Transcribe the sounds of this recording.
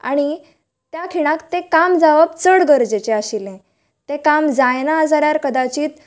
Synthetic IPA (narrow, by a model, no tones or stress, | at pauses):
a̰ɽ̃i | t̪jakʰiɽ̃ãkt̪ẽkamd͡zaʋəb̚t͡səɽɡəɾd͡ʑet͡ɕeaɕilẽ | t̪ẽkamd͡zajnaːd͡zaɾjaɾkəd̪at͡ɕiːt̪̚